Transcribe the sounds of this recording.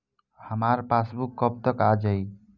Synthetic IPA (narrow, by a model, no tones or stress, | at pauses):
həmaɾpasbukːɔp̚t̪əkad͡ʒaj